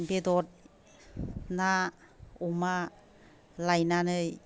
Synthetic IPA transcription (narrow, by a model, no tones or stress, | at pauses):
nbedɔt̚ | na | ɔma | lajnanɯj